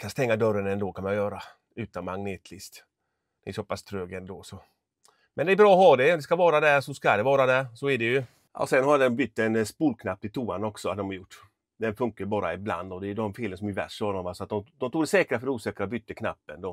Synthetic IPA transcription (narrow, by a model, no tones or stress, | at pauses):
kʰanst̪ɛŋːad̪œɾənɛnd̪oːkʰanjajœːɾa | ʉ̟ːt̪anmaŋneːt̪ʰlɪst̪ | d̪̥ɛɛsɔpast̪ʰɾøːɡənd̪ɔːsɔ | mɛnd̪ɛbɾɑːɔhɑːd̪ɛd̪ɛskavɑːɾad̪ɛɾsɔskad̪ɛvɑːɾad̪ɛsɔæɖɛjɵ | a̰sɛnhad̪ɛɔmbʏt̪ːɛnspuːlkʰnapːt̪ɪt̪ʰuːanɔksɔad̪ɔmjʊʈː | d̪ɛnfɵŋkaɾbɑːɾaɪbla̰nd̪ɔd̪ɛd̪ɔmfeːlənsɔmjʉvæ̰ʂɔd̪ɔmalsɔat̪̚d̪ɔmd̪ɔmt̪uːɡd̪ɛsɛːkɾafœɾɛuːsɛːkɾabʏt̪ːəkʰna̰pːənd̪ɔ